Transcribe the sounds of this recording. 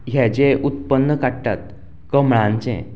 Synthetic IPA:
ɦɛd͡ʑeʔut̪̚pənːəkaɽʈa̰t̪̚ | kəmɭãɲt͡ɕɛ̰̃

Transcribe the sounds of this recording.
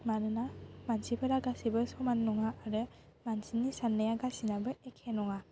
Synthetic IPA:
manɯnamansipʰəɾaɡasibɯsɔmanːɔŋaːɾɯ | mansinːisanːajaɡasinabɯekʰenɔŋa

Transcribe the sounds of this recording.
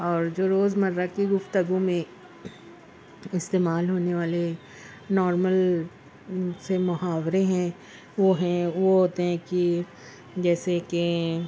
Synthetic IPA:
ɔːɾd͡ʒoːɾoːzmɐɾːakiɡʊft̪əɡũmẽ | ɪst̪eːmaːlɦoːneʋaːle | nɔːɾməl | semʊɦaːʋɾeɦɛ̃ | ʋoɦɛ̃ʋoɦoːt̪eɦɛ̃ki | d͡ʒɛːseke

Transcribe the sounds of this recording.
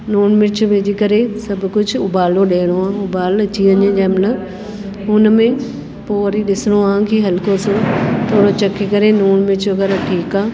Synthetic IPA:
nuːɳmɪt͡ɕʋeːd͡ʑikɐɾesɐbʱkʊd͡ʑʱʊbaːloɗeːɽ̃oãːʊbaːlɐt͡ɕiəɲə̃d͡ʑaːmləb | ʊnmẽ | poːɾiɗɪsɪɽ̃oãːkiːɦɐlkosot̪ʰoːɽot͡ɕɐkikɐɾenuːɳmɪt͡ɕɐɡɐɾaʈʰiːkaː

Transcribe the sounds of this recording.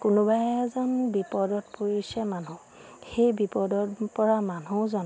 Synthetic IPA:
kʊnobajɛzɔnbipɔdɔtpoɹisɛmanu | xejbipɔdɔtpɔɹamanuzɔn

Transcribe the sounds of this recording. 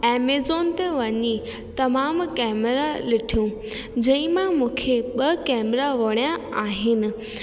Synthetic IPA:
ɛːmezoːnt̪eʋɐɲi | t̪ɐmaːmkɛːmɾalɪʈʰijũ | d͡ʑɐ̃ɪ̃mãmũːkʰeɓɐkɛːmɾaʋɐɽ̃ijaaːɦɪnɪ̆

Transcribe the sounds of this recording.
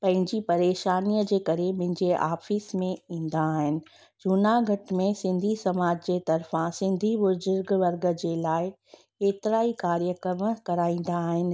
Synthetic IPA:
pɐ̃ɦɪ̃ɲd͡ʑipɐɾeːʃaːniːəd͡ʑeːkɐɾemʊ̃ɦɪ̃ɲd͡ʑeʔa̰ːfismẽĩːn̆d̪aːɦɪnɪ̆ | d͡ʑʱuːnaɡʱɐʈmẽsɪ̃nd̪ʱisɐmaːd͡ʑd͡ʑeːt̪ɐɾfãsɪ̃nd̪ʱibʊzʊɾɡʋɐɾɡə̆d͡ʑeːlaːɪ | eːt̪ɪɾaːikaːɾijəkəmkɐɾaːĩːn̆d̪aːɦɪnɪ̆

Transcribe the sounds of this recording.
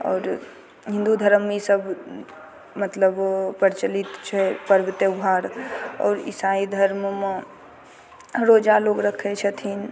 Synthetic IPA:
ɔ̰ːɾ | ɦɪ̃nd̪ud̪ʱəɾəmːesəb | mət̪ləbpəɾt͡ʃəlit̪t͡ʃʰɛpəɾʋɪt̪jəwɦaːɾɔ̰ːɾɪ̰said̪ʱəɾmme | ɾoːd͡ʒaloːɡɾəkʰet͡ʃʰət̪ʰin

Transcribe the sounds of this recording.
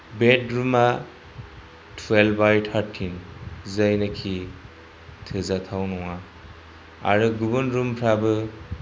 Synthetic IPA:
betɾuma | tʰwelbajtʰaɾtʰinzajnakʰi | tʰɯzatʰawnɔŋa | a̰ɾɯɡubunɾumpʰɾabɯ

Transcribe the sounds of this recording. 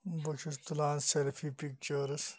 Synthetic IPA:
buʃist̪ulaːnselfiːpik̚t͡ʃəɾɨs

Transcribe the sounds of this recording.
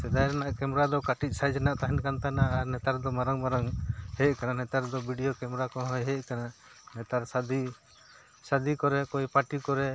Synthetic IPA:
sɛd̪ajɾanaʔkɛmɾad̪ɔkaʈit̪c̚sajd͡ʒɛnaʔt̪aɦɛnkant̪anaːɾnɛt̪aɾd̪ɔmaɾaŋmaɾaŋhɛʔ̚kananɛt̪aɾd̪ɔbiɖijɔkɛmɾakɔɦɔjɦɛʔ̚kana | nɛt̪aɾsad̪i | sad̪ikɔɾɛkɔjpaʈikɔɾɛ

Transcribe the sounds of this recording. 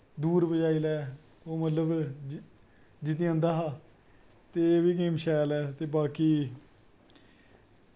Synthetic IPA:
d̪uːɾbəd͡ʒaːiːlɛː | oːmət̪ləb | d͡ʒɪt̪̬ĩə̃nd̪aːɦaː | t̪eːeːʋiːk̬ɪmʃɛːlɛːt̪eːbaːkiː

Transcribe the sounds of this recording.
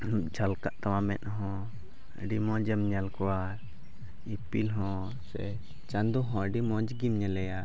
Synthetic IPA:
d͡ʒʱalkaʔt̪awãmɛ̰nɦɔ̃ | əɖimɔ̃d͡ʒəmɲalkɔwa | ipilɦɔ̃ | sɛ̰ | t͡ʃand̪uɦɔ̃əɖimɔ̃d͡ʒɡimɲɛlɛja

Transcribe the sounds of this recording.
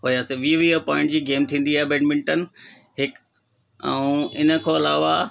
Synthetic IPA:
ɦoːjaːseʋiːʋiəpɔːɪ̃ɳʈd͡ʑiːɡeːmt̪ʰĩːn̆d̪iaːɦebeːɖmɪ̃ɳʈənɪ̆ | ɦɪk | ɛ̰̃ũɪnə̆kʰoːɐlaːʋa

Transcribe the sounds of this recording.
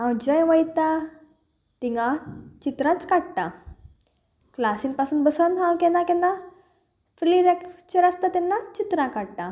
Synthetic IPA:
ɦãwd͡ʑajʋajt̪a | t̪iŋɡat͡ɕit̪ɾãt͡skaɽt̪a | klasinpasuːnbəsanɦãwkɛnakɛnːa | fɾiliɾɛkt͡ɕəɾast̪at̪ɛnːat͡ɕit̪ɾãkaɽʈ̪a

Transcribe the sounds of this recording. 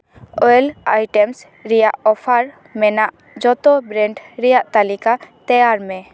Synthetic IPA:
ɔjlajʈɛms | ɾɛjaʔɔpʰaɾ | mɛnaʔ | d͡ʒɔt̪ɔbɾɛɳɖɾɛjaʔt̪alikat̪ɛjaɾmɛ

